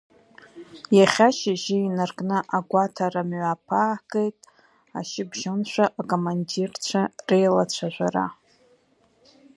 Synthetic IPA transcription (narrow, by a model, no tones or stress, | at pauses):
jaχʲaʃɪʒɪinarkʼnɨʔaɡʷatʰaɾamɥapʰaːɡʼejtʼ | a̰ʃɪbʒonʃʷᶣaʔːkʼomandirt͡ɕʷʰarejlat͡ɕʷʰaʒʷara̰